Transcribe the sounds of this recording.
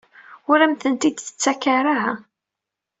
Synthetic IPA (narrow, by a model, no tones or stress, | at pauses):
ʊɾæmθənt̪id̪θə̥t͡sːækːaɾaɦæ